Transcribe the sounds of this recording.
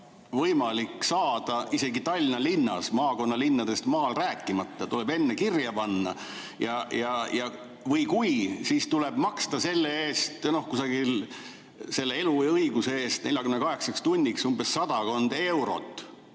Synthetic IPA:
vɤjmɑlikːsɑːd̪̥ɑise̞ɡit̪ɑlʲːinɑlinːɑ̰smɑːko̞nːɑlinːɑd̪̥e̞st̪mɑːlræːkːˑimɑt̪ˑːɑt̪ulebe̞nːekirjɑpɑnːɑ̰ | jɑjɑjɑ | vɯjkujsist̪uleb̥mɑkst̪ɑse̞lːeeːst̪no̞hkusɑɡ̥il | se̞lːe̞e̞lujɤiɡ̥usee̞ːst̪ne̞lʲjɑkymnekɑɦe̞ksɑkst̪unʲːiksumbe̞sːɑd̪̥ɑko̞nd̪̥e̞wɾo̞̰t̪ːˑ

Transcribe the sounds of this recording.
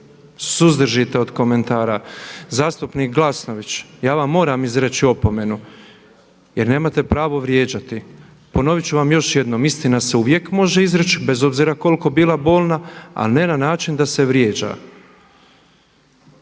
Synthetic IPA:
suzd̪rʒit̪eod̪ko̞me̞nt̪aːɾazaːst̪upniːk̚ɡlˠasno̞ʋit͡ɕjaːʋamːo̞ːɾamizɾet͡ɕio̞po̞me̞nu | jeɾne̞ːmat̪e̞pɾaːʋo̞ʋɾjeːd͡ʑat̪i | po̞no̞ʋit͡ɕuʋamjo̞ʃje̞d̪no̞mist̪inase̞uʋje̞kmo̞ʒe̞izɾet͡ʃibe̞zo̞bziːɾako̞lko̞biːlˠabo̞ːlˠnaa̰ne̞nanaːt͡ʃind̪ase̞ʋɾjeːd͡ʑa̰

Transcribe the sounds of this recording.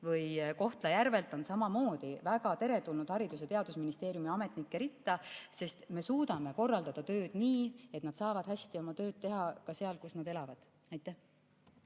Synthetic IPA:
vɯjko̞ht̪lɑjæɾve̞lt̪ːˑo̞nsɑmɑmo̞ːd̪̥ivæɡ̥ɑt̪e̞ɾe̞t̪ulnud̪̥hɑɾid̪use̞t̪e̞ɑd̪usminist̪e̞ːɾijumiɑme̞t̪ˑnikːeɾit̪ːˑɑse̞st̪me̞suːd̪̥ɑme̞ko̞rːɑld̪̥ɑd̪̥ɑt̪ø̞ːd̪̥niːe̞t̪nɑd̪sɑːvɑd̪̥hæsʲt̪io̞mɑt̪ø̞ːd̪̥̚t̪e̞ɦɑkɑseɑlkusnɑd̪e̞lɑvɑd̪̥ | ɑjt̪ˑːæh

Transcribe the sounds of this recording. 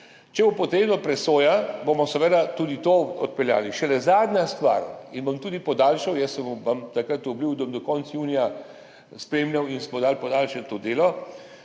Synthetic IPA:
t͡ʃɛbupɔt̪ɾeːbnɔpɾɛsoːjabomɔsɛʋəd̪at̪uːd̪it̪oːɔt̪̚pɛlja̰ːliʃɛlɛzaːd̪nʲast̪ʋa̰ːɾinbomt̪uːd̪ipɔd̪aːlʃawjəsːɛmuʋamt̪akɾət̪ubliwd̪abɔmd̪ɔkɔntsjuːnija | spɾeːmlʲawinsmɔd̪aːlpɔd̪aːlʃɛt̪t̪od̪eːlɔ

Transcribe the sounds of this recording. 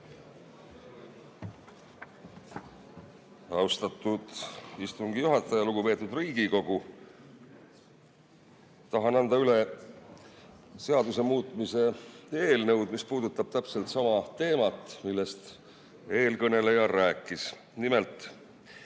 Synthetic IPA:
ɑwst̪ɑt̪ːˑud̪̥ist̪uŋɡijuɦɑt̪ːˑɑjɑluɡ̥upe̞ːt̪ːˑud̪riːɡ̥iko̞ɡ̥u | t̪ɑɦɑnɑnd̪̥ɑyle̞ | se̞ɑd̪use̞muːt̪ˑmise̞e̞ːlnɤwd̪mispuːd̪ut̪ːˑɑb̥̚t̪æpse̞lt̪sɑmɑt̪e̞ːmɑt̪ːˑmilːe̞st̪ | e̞ːlkɤne̞lejɑɾæːkˑːis | nime̞lt̪ˑ

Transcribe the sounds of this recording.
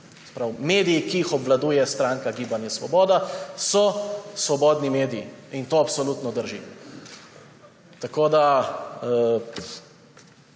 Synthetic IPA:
sɛ̥pɾawmeːd̪ijikiixɔbʋlad̪uːjɛst̪ɾaːŋkaɡiːbanjɛsʋɔ̰bɔːd̪asɔsʋɔbɔːd̪nimeːd̪iiint̪oːapsɔluːt̪nɔd̪əɾʒi | t̪akoːd̪a

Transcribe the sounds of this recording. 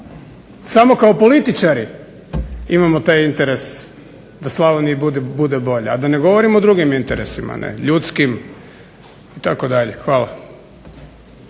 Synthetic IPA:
samo̞kaopo̞lit̪it͡ʃaɾi | imamo̞t̪ajint̪eɾe̞s | d̪aslˠaʋonibud̪ebud̪ebo̞ʎead̪ane̞ɡo̞ʋo̞ɾimod̪ɾuɡimint̪eɾesima̰nʔḛʎut̪skim | it̪akod̪aʎexʋaːla̰

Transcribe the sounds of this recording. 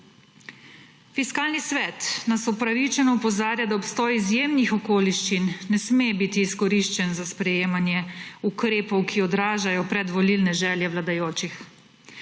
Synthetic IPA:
fiskaːlnisʋɛːt̪nasɔpɾaʋit͡ʃɛnɔupɔzaːɾjad̪aɔpst̪ɔːjizjeːmnixɔkoːliʃt͡ʃinːɛsmebit̪iːskɔɾiʃt͡ʃɛnzaspɾɛjeːmanjɛukɾeːpɔwkʰiɔd̪ɾaːʒajɔpɾɛd̪ʋɔlilnɛʒɛːljɛʋlad̪ajoːt͡ʃix

